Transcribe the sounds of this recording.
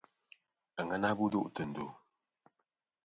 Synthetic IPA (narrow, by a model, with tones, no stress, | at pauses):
ə˨ŋə˦na˦bu˦du˦ʔtə˨n̩˨do̰˨